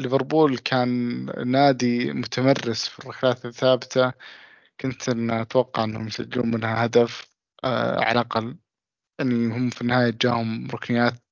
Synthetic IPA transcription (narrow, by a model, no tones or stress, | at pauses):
lvɪɾˤbuːlkʰaːnːaːd̪imʊt̪ʰamɑrːɪsfirˤːɑkaːt̪aθːaːbɪt̪ʰa | kʊnt̪ʔɪnːat̪wɑqːɑʕɪnːhʊmjsa̰d͡ʒluːnmɪnhahad̪af | ʕa̰lʔɑqɑl | ʔanːihʊmːfinːɪhaːjat̪ɪd͡ʒa̰ːhʊmɾˤʊknɪjaːt̪̚